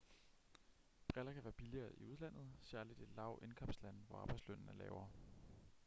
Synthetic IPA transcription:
b̥ʁɛlɐkʰæʋæːɐb̥iliɐːiuð̞ˠlæn̰ð̞̩ˠsæɐlid̥e̝d̥lɑ̈ʊʔe̝nkʰɑ̽m̰slæn̰ʋɒɑ̈ːb̥ɑ̈ɪdsløn̰nəlɛ̰ːʊɐ

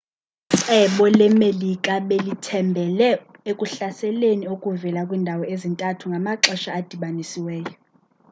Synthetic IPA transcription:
ǀʰɛɓɔlɛmelikʼaɓelitʰɛmbʱɛlɛekʼuɬasɛleniokʼuvɛlakʼwindʱawɔezintʼatʰuŋɡʱamaǁɔʃaːd̥ʱiɓanisiwɛːjɔ

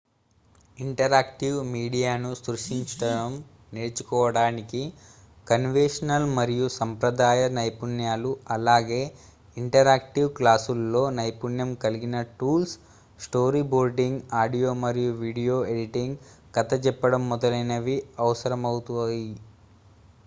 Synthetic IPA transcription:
iɳʈɐɾaːkʈiwmiːɽijaːnusɾuʂiɲt͡ʃɐʈɐɽɐm | neːɾt͡ʃu̥kɔːʋɐɽaːniki | kɐnʋeʂɐnɐlmɐɾijusɐmpɾɐd̪aːjɐnɐjpunjaːluɐlaːɡe̞ː | iɳʈɐɾaːk̚ʈiwklaːsulːo̞ːnɐjpunjɐmkɐliɡinɐʈuːls | sʈo̞ːɾiːboːɾɖiŋɡaːɖijo̞ːmɐɾijuʋiːɽijo̞ːeɽiʈiŋɡ | kɐt̪ɐt͡ʃɛpːɐɽɐmːɔd̪ɐlɐjnɐʋiɐʋɐsɐɾɐmɐwut̪uji

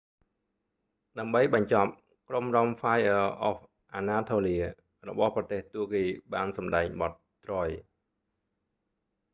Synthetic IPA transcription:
ɗaəmɓəjɓɑɲt͡ɕɑp̚ | kromrɑmfaːjʔəʔɔf | ʔaːnaːt̪ʰoːliə | rɔɓɑhprɑt̪eːht̪uəʔkiːɓaːnsɑmɗaɛŋɓɑt̪̚ː | roːj

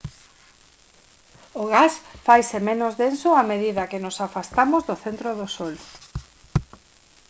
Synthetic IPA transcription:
oɣasfajsɪmenʊzðensʊameðiðɐkɪnʊsafast̪amʊzðʊθent̪ɾoðʊsol

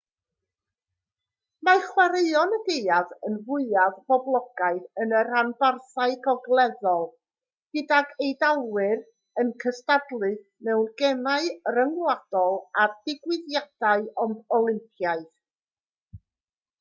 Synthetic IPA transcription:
maχwaɾeɨɔnəɡeɨaðənvʊɨaðbɔblˠɔɡ̥aɨðənəɾanbarθaɨɡɔɡlˠɛðɔlˠ | ɡ̥ɨdaɡejdalˠwɨr | ənkʰəstadlˠɨ | mɛwrɡɛnaɨrəŋwad̥ɔlˠardɪɡwɪðjad̥aɨɔndɔlˠɪmpʰjaɨθ

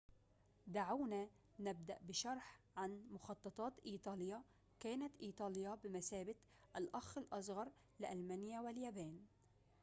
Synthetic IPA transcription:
d̪aʕawna | nab̚d̪aʔbɪʃɑɾˤħ | ʕanmʊxɑt̪ˤːɑt̪ˤɑːt̪ʔiːt̪ˤɑːlja | kaːnat̪ʔiːt̪ˤɑːljabɪmasaːbat̪ | ʔalʔɑxɪlʔɑsˤɣɑɾˤ | lɪʔalmanjawɪljaːbaːn

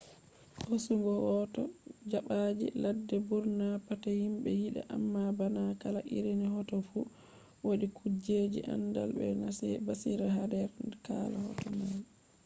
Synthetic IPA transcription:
hosuŋɡɔwɔtɔd͡ʒaɓad͡ʒḭladːɛbuɾnapatahimɓɛjiɗa̰ʔamːabanakalaʔḭɾinihɔtɔfu | woɗikʰud͡ʒed͡ʒiʔa̰nda̰lɓɛ̰nasɛbasiɾaɦadɛɾkalahɔ̰tɔmal

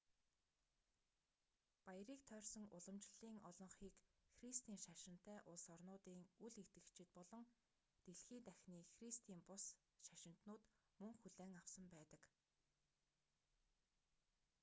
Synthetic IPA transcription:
pajriːk̚t̪ʰœːrsɞ̆ŋʊɮə̆mt͡ɕɪ̆ɮiːŋɔɮɞ̆ɴχiːkxrist̪iːŋʃaʃɪ̆n̥t̪ːæːʔʊɮsɔrnʊːt̪iːŋuɮekt̪ɡɘ̆kt͡ɕʰɪ̆t̪̚pɔɮɞ̆ŋ | t̪eɮxiːnt̪æxʲniːxrist̪iːmpʊs | ʃaʃɪ̆n̥t̪nʊːt̪ | mɵŋxuɮæːŋawsə̆mpæːt̪ə̆k

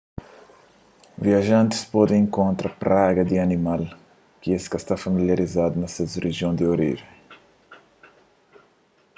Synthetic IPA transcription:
viɐʒɐ̃nt̪ɪ̥spɔd̪ẽẽŋkõnt̪ɾɐpɾaɡɐd̪ɪɐnimal | kɪeskɐst̪afɐmiljɐɾizad̪unɐsɐzreʒjõnd̪ɪoɾḭʒẽ

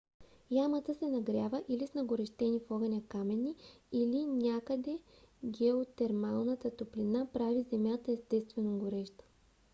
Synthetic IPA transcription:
jamət̪əsɛnɐɡɾʲjavəʔilisnɐɡoɾɛʃt̪ɛnifɔɣɐnʲakamɛniilinʲakəd̪ɛ | ɡɛot̪ɛɾmalˠnət̪ət̪oplinapɾavizɛmʲjat̪əɛst̪ɛst̪vɛnoɡoɾɛʃt̪ə̥

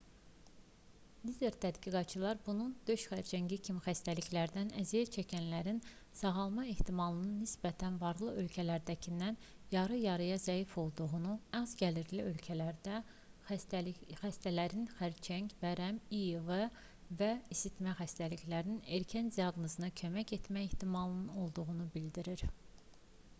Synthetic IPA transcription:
lize̞ɾt̪ʰæd̪ɡiɡɑt̪̚t͡ʃʰɯlˠɑɾbunund̪̥øʃxæɾt͡ʃʰæɲɟicʰimixæst̪æliçlæɾd̪ænæzijæt͡ʃʰæcʰænlæɾin | sɑʁɑlˠmɑe̞ht̪ʰimɑlˠɯnɯnːisbæt̪ʰænvɑɾlˠɯø̞lcʰælæɾd̪æcʰinːæn | jɑɾɯjɑɾɯjɑzæifo̞lˠd̪uɣunuɑzɟʲæliɾliølcʰælæɾd̪æ | xæst̪ælæɾinxæɾt͡ʃʰæɲcvæɾæmijevɑ | væisit̪mæχæst̪æliçlæɾnine̞ɾcʰænd̪ijɑɡnozɯnɑcʰø̞mæce̞t̪mæjeht̪ʰimɑlˠɯnɯno̞lˠd̪uʁunubild̪iɾiɾ

